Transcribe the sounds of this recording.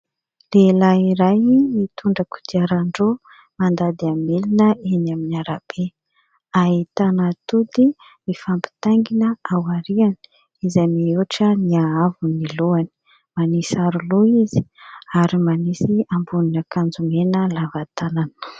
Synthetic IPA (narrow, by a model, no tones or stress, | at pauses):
lelaiɾajmit̪uɳɖ͡ʐəku̥d̪iaɾaɳɖ͡ʐo | mand̪ad̪iamelinəenaminiaɾab̥e | aɦit̪anat̪ud̪i | mifampi̥t̪aŋɡinəawaɾianə̥ | izamiuʈ͡ʂəniaavuniluani̥ | manisaɾuluizi̥aɾimanisiambuninakand͡zumenəlavat̪anan